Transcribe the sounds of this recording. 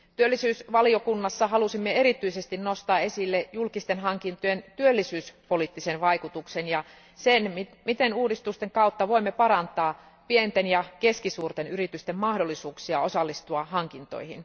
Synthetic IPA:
t̪yølːisyːsʋɑliokunːɑsːɑhɑlusimːeeɾit̪yisest̪innost̪ɑːesilːejulkist̪enɦɑŋkint̪ojent̪yølːisyːspolit̪ːisenʋɑikut̪uksenjɑ | senmimit̪enuːdist̪ust̪eŋkɑut̪ːɑʋoimːepɑɾɑnt̪ɑː | pient̪enjɑkeskisuːrt̪enyrit̪yst̪emmɑhdolːˑisuːksiɑosɑlːist̪uɑhɑŋkint̪o̰ihḭn

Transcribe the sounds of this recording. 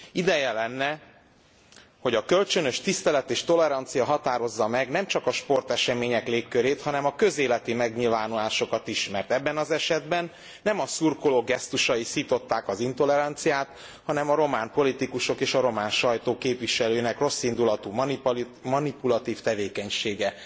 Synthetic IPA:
id̪ɛjɛlɛnːɛ | ho̞ɟɒkø̞lt͡ʃø̞nø̞ʃt̪ist̪ɛlɛt̪eːʃt̪o̞lɛɾɒnt̪sijɒɦɒt̪aːɾo̞zːɒmɛɡnɛmt͡ʃɒkɒʃpo̞rt̪ɛʃɛmeːɲɛkleːkːøɾeːt̪hɒnɛmɒkø̞zeːlɛt̪imɛɡɲilvaːnulaːʃo̞kɒt̪iʃmɛrt̪ɛbːɛnɒzɛʃɛd̪bɛnː | ɛmɒsurkoloɡɛst̪uʃɒisit̪o̞t̪ːaːkɒzint̪o̞lɛɾɒnt̪sijaːt̪ | hɒnɛmɒɾo̞maːnpo̞lit̪ikuʃo̞keːʃɒɾo̞maːnʃɒjt̪oːkeːpʋiʃɛløːnɛkro̞sːind̪ulɒt̪ummɒnipulɒt̪iːft̪ɛveːkɛɲʃeːɡɛ

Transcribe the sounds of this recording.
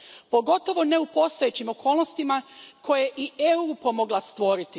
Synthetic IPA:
po̞ɡo̞t̪o̞ʋo̞ne̞upo̞st̪ojet͡ɕimo̞kʰo̞ːlˠnost̪imakʰo̞jeʔieuːpo̞mo̞ɡlˠast̪ʋo̞ɾit̪i

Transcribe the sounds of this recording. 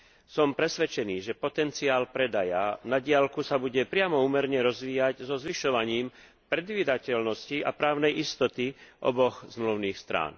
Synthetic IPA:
sɔmpɾɛsʋɛt͡ʃɛniːʒɛpɔt̪ɛnt͡siaːlpɾɛd̪ajanaɟɪalkusabuɟɛpɾɪamɔuːmɛɾɲɛɾɔzʋiːjaɟzɔzʋiʃɔʋaɲiːm | pɾɛd̪ʋiːd̪acɛlnɔscia̰pɾaːʊnɛjist̪ɔt̪iʔɔ̰bɔɣzmluʊniːxst̪ɾa̰ːn

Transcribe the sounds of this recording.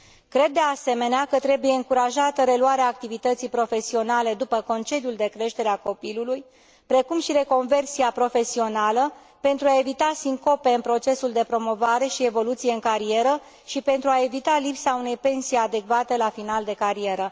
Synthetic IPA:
kɾe̞d̪ːe̞ase̞me̞neakət̪ɾe̞buje̞ɨŋkuɾaʒat̪əɾe̞luaɾeaːk̚t̪ivit̪ət̪sijpɾo̞fe̞sio̞nale̞d̪upəko̞nt͡ʃe̞d̪iuld̪e̞kɾe̞ʃt̪e̞ɾeako̞piluluj | pɾe̞kumʃiɾe̞ko̞nve̞rsiapɾo̞fe̞sio̞nalə | pent̪ɾuae̞vit̪asiŋko̞pe̞ɨnpɾo̞t͡ʃe̞suld̪e̞pɾo̞mo̞vaɾe̞ʃie̞vo̞lut̪sijeɨŋkaɾie̞ɾə | ʃipe̞nt̪ɾuae̞vit̪alipsaune̞jpe̞nsijad̪e̞kvat̪e̞lafinald̪e̞kaɾie̞ɾə

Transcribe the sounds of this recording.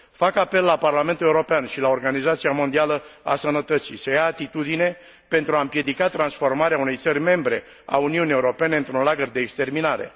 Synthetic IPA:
fakape̞lːaparlame̞nt̪ule̞uɾo̞peanʃilao̞rɡanizat̪siamo̞nd̪ialəa̰sənət̪ət̪sijsəjaːt̪it̪ud̪ine̞ | pe̞nt̪ɾuampje̞d̪ikat̪ɾansfo̞rmaɾeaune̞jt̪sərʲme̞mbɾe̞ | a̰uniunie̞uɾo̞pe̞ne̞ɨnt̪ɾunlaɡərd̪e̞ːkst̪e̞rminaɾe̞̰

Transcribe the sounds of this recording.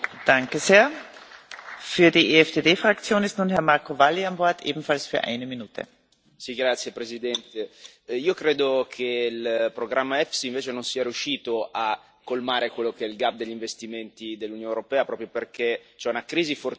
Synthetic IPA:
d̥aŋkəzeːɐ | fyːɐdieɛfd̥eːdeːfʁ̥akt͡sjoːnɪstnuːnhɛɐmaɐkovalːiambɔɐtʔeːbm̩falsfyːɐʔa̰ɪnəminuːtʰə̰ | siɡɾat̪sːjepɾezid̪ɛnt̪e | iːokɾeːd̪okʰeilpɾoɡɾamːaɛfsiiɱveːt͡ʃenonsiːaɾiuʃiːt̪oʔa | kːolmaːɾekwelːokeɛilɡab̚d̪eʎːiɱvest̪iment̪id̪elːunjoːneoɾopɛːapɾɔːpɾjoperkʰet͡ʃɛunakɾiːzifor

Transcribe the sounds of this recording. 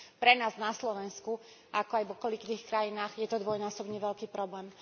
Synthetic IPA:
pɾɛnaːznaslɔʋɛnsku | ʔakɔajʋɔkɔlikd̪iːxkɾajinaːɣjɛt̪ɔd̪ʋɔjnaːsɔbɲɛʋɛʎkiːpɾɔblɛːm

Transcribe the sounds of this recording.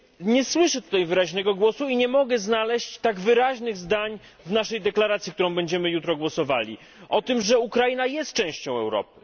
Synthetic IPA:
ɲɛswɘʂɛt̪u̥t̪ajvɘɾaʑnɛɡɔɡwɔsuiɲɛmɔɡɛznalɛɕt͡ɕt̪aɡvɘɾaʑnɘɣzd̪aɲ | vnaʂɛjd̪ɛklaɾat̪sʲjik̚t̪uɾɔ̃w̃bɛɲd͡ʑɛmɘjut̪ɾɔɡwɔsɔvalʲḭ | ʔɔt̪ɘmʐɛukɾainajɛst̪̚t͡ʂɛ̃w̃ɕt͡ɕɔ̃w̃ɛ̰wɾɔ̰pɘ̥

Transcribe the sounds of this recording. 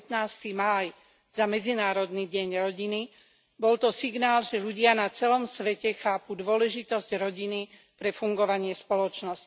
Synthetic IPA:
t̪naːst̪imaːj | z̥amɛd͡zinaːɾɔd̪niɟɛɲɾɔɟini | bɔlt̪ɔsiɡnaːlʒɛʎuɟɪanat͡sɛlɔmsʋɛcɛxaːpud̪ʊɔlɛʒit̪ɔzɟɾɔɟini | pɾɛfuŋɡɔʋaɲɪɛspɔlɔt͡ʃnɔsc

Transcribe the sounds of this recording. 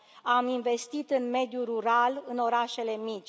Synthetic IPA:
aminve̞st̪it̪ɨnme̞d̪juɾuɾalɨno̞ɾaʃe̞le̞mit͡ʃʲ

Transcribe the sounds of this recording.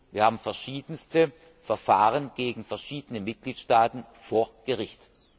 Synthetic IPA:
viːɐhaːbm̩fɛɐʃiːdənstə | fɛɐfaːʁənɡ̥eːɡŋ̩fɛɐʃiːdənəmɪt̚ɡ̥liːtʃtaːtn̩foːɐɡ̥əʁɪçt

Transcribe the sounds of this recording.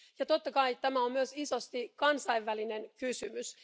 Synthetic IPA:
jɑt̪ot̪ːɑkɑjt̪æmæommyøsisost̪ikɑnsɑiʋːælinenkysymys

